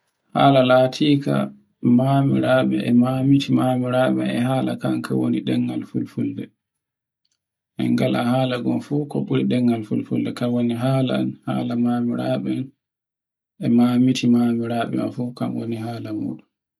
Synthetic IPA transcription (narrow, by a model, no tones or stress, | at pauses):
ha̰ːlalaːtʰiːka̰ | mamiɾaɓɛʔɛmamitʰimaːmiɾaɓɛnɛɦaːlakaŋkʰawoniɗɛŋɡalfulfuldɛ | ʔɛ̰ŋɡalahaːlaɡɔmfukɔɓuɾiɗɛŋːɡalfulfuldɛkawoniɦaːlanhaːlamaːmiɾaɓɛn | ʔɛmaːmitʰimamiɾaːɓɛ̰ma̰fukamwo̰niɦaːlamṵːɗun